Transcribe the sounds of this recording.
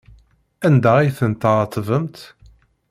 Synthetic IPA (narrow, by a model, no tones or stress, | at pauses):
ænd̪æiθənt̪əʁt̪ˤːvəmt̪